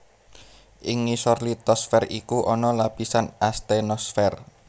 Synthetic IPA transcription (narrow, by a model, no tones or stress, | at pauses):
ʔɪŋːisɔrlit̪ɔsfɛrikuʔɔnɔlapisanast̪enɔsfɛr